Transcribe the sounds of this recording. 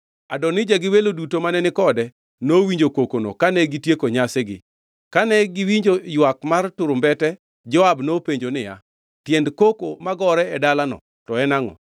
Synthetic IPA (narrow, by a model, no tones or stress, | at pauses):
adɔnɪd͡ʒaɡɪwelodutomanɛnɪkɔdɛ | nowiɲd͡ʒokokono̰kanɛɡitjekoɲasɛɡɪ̰ | kanɛɡɪwiɲd͡ʒojwakmartʊɾʊmbɛtɛ | d͡ʒɔabnopeɲd͡ʒonɪja̰ | tjendkokomaɡɔɾɛɛdalanɔ̰ | tɔɛnaŋɔ̰